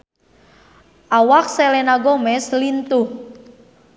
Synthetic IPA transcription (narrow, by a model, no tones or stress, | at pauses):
ʔawak̚sɛlɛnaɡɔmɛslint̪uh